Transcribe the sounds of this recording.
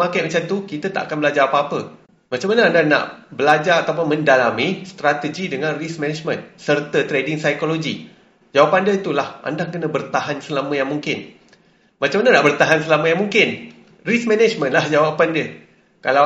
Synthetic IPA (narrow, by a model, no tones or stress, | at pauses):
makajmat͡ʃamt̪ukit̪at̪a̰ʔa̰kanbəlad͡ʒaapaapə | mat͡ʃamːanəandana̰ʔbəlad͡ʒaɾat̪awpʊnmə̃ndalamĩst̪ɾat̪əd͡ʒidəŋãnrismɛ̃nɛd͡ʒmə̃nsərt̪ət̪ɾedɪŋsajkoloɡi | d͡ʒawapandəit̪ulahʔa̰ndakənə̃bərt̪aɦansəlamə̃jaŋmuŋkɪn | mat͡ʃãmanənaʔbərt̪aɦansəlamə̃jaŋmuŋkɪn | rismɛ̃nɛd͡ʒmə̃nlahd͡ʒawapandə | kala